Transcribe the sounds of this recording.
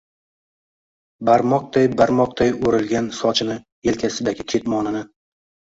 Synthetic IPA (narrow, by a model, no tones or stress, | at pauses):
baɾmɒq̚d̪ajbaɾmɒq̚d̪ajoɾɪlɡʲansɒt͡ʃʰɪnɪ | elkʲʰasɪd̪aɡʲɪkʲʰe̞t̪mɒnɪnɪ